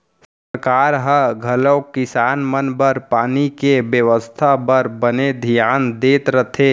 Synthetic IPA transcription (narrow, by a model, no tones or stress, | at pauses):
s | əɾkaːɾɦəɡʱələwkɪsaːnmənbəɾpaːnikebjəʋəst̪ʰabəɾbəned̪ʱijaːnd̪eːt̪ɾət̪ʰe